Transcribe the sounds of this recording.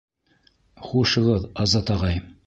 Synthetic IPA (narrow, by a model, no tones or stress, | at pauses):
χuʃɤ̆ʁɤðɑzɑt̪ɑʁɑj